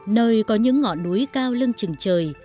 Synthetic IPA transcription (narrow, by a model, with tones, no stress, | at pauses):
nəː˧˩jkɔ˨˦ɲɨ̰˧˥ŋːɔ̰˧˨nːu˨˦jkaː˧wlɨ˧nt͡ɕɨ˨˩ŋt͡ɕəː˨˩j